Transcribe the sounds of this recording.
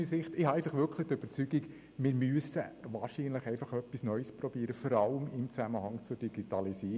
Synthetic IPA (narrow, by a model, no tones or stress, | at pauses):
isɪχtɪhɑɛɪfɑχʋʏɾkʰlədøb̥əɾt͡syɡik | mɪːɾmyəsəʋɑːʃiːnləχɛɪfɑχœpːisnœʏspɾɔb̥iːɾəfɔɾɑləmɪmt͡sæməhɑŋt͡sʊd̥iɡ̥itɑlisiː